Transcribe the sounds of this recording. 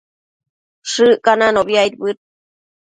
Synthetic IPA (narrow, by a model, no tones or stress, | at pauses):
ʂɨʔkananoβjait̪̚bɨt̪̚